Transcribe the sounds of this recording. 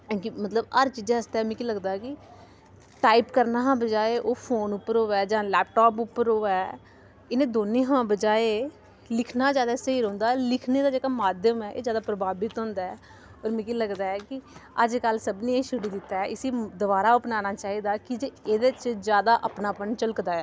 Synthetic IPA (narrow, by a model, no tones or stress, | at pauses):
ɛ̃kimət̪ləbəɾt͡ʃiːd͡ʒãəst̪aɛːmɛ̃ːkiːləɡd̪aːɛkɪ | ʈaːipkəɾnaːɦãːbəd͡ʒaːeːʔoːpʰoːnʊpːəɾoːɛːd͡ʒãːlɛːp̚ʈɔːpʊpːəɾoːɛː | ɪnẽːd̪oːnẽːɦãːbəd͡ʒaːeː | lɪkʰnaːd͡ʒjaːd̪aːsəiːɾõːnd̪aːɛːlɪkʰneːd̪aːd͡ʒeːkaːmaːd̪jəmɛːʔḛːd͡ʒjaːd̪aːpɾəbaːbɪt̪ɦõːnd̪aːɛː | ɔːɾmɛ̃ːkiːləɡd̪aːɛːkɪəd͡ʒkəlsəbnĩːeːʃʊɽiːd̪ɪt̪ːaːɛʔɪsiːd̪ʊbaːɾaːʊpnaːnaːt͡ʃaːɦiːd̪aːkɪd͡ʒeːeːd̪et͡ʃd͡ʒjaːd̪aːʔəpnaːpənt͡ʃəlkd̪aːɛː